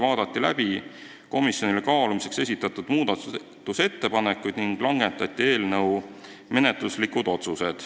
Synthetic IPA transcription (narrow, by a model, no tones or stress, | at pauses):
vɑːd̪̥ɑt̪ːilæb̥i | ko̞misjo̞nilekɑːlumise̞kse̞s̬ʲit̪ːˑɑt̪ːˑud̪̥muːd̪̥ɑt̪ | t̪ːˑuse̞t̪ːe̞pɑnekːˑujd̪niŋɡ̥lɑŋɡent̪ɑt̪ʲːˑie̞ːlnɤ̞w | me̞net̪ˑluslikud̪̥o̞t̪suse̞d̪̥